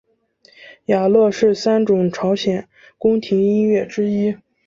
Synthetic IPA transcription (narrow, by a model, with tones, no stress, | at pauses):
ja˨˩lɤ˥˧ʂɻ̩˥˩sa˥nʈ͡ʂʊ˨˩ŋʈ͡ʂʰɑ˧˥ʊɕjɛ˨˩˦n | kʊ˥ŋt̪ʰi˧˥ŋi˥nɥɛ˥˩ʈ͡ʂɻ̩˥i˥